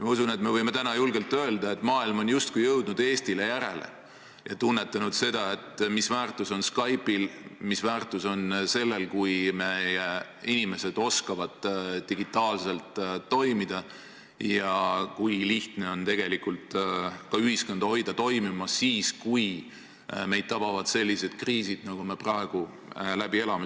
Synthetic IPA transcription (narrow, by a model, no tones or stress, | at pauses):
mɑusune̞t̪me̞vɤjme̞t̪ænɑjulɡelt̪ːøeld̪̥ɑe̞t̪ːmɑːilmo̞njust̪̚kujɤwd̪̥nud̪̥e̞ːst̪ile̞jæɾe̞̰le̞̰ | jɑt̪unːe̞t̪ːˑɑnud̪̥se̞d̪̥ɑe̞t̪misvæːrt̪ːˑuso̞nskɑjpilmisvæːrt̪ːˑuso̞nse̞lːe̞lkujme̞je | inime̞se̞d̪̥o̞skɑvɑd̪̥d̪̥iɡ̥it̪ˑːɑːlse̞lt̪ːo̞jmid̪̥ɑ | jɑkujliht̪ne̞o̞nt̪e̞ɡ̥e̞likult̪kɑyɦiskond̪̥ho̞jd̪̥ɑt̪o̞jmimɑsiːskuj | me̞jd̥̪̚t̪ɑb̥ɑvɑd̪̥se̞lʲːise̞d̪̥kriːsid̪̥nɑɡ̥ume̞prɑeɡ̥u | læb̥ie̞lɑme